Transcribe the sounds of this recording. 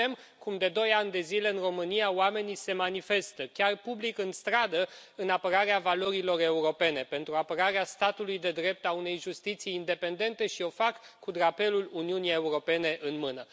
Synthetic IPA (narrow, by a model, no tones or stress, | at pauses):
em | kumd̪e̞d̪o̞janʲd̪e̞zile̞ɨnro̞mɨnijaowame̞nise̞manife̞st̪əkʲarpublikɨnst̪ɾad̪əɨnapəɾaɾeavalo̞ɾilo̞re̞uɾo̞pe̞ne̞pe̞nt̪ɾuapəɾaɾeast̪at̪ulujd̪e̞d̪ɾe̞p̚t̪aune̞jʒust̪it̪sijːnd̪e̞pe̞nd̪e̞nt̪e̞ʃio̞fakːud̪ɾape̞luluniunije̞uɾo̞pe̞ne̞ʔɨnmɨnə